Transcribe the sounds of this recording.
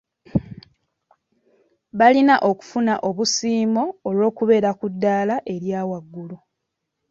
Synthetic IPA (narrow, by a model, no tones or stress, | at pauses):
βalinaʔo̞ku̥funaʔo̞βusiːmo̞ːlo̞ːkuβe̞ːɾakudːaːlaʔe̞ɾjaːwaɡːulu